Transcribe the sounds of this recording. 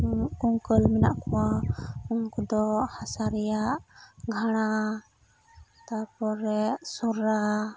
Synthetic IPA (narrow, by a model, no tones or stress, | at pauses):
kuŋkəlmɛnaʔkɔwauŋkɔd̪ɔhasaɾɛjaʔɡʱaɽ̃a | t̪apɔɾɛʔsɔɾa